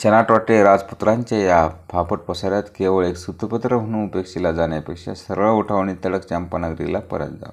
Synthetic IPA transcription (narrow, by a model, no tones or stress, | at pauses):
t͡ɕenaʈʋaʈeɾad͡zput̪ɾãɲt͡ɕejapʰapəʈ̚pəsaɾjat̪keʋəɭeksut̪əpət̪ɾəm̤ʱəɽ̃ũupekʂilad͡zaɳjapekʂa̰səɾɭuʈʰaʋnit̪əɭəkt͡ɕampanəɡɾḭlapə̰ɾə̰t̪̚d͡za̰